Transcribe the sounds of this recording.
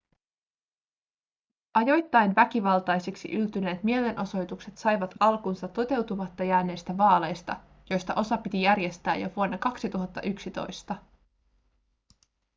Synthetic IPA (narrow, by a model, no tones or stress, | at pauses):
ʔɑjo̞jt̪ːɑjnʋæk̟iʋɑlt̪ɑjsiksḭʔylt̪yne̞ːt̪mie̞le̞nʔo̞so̞jt̪ukset̪sɑjʋɑt̪ɑlkunsɑt̪ːo̞t̪e̞wt̪umɑt̪ːɑjæːne̞ːst̪æʋɑːle̞jst̪ɑ | jo̞jst̪ɑʔo̞sɑpit̪ijærje̞st̪æːjo̞̰ʋuo̞nːɑkɑksit̪uɦɑt̪ːɑ̰ʔyksit̪o̞̰jst̪ɑ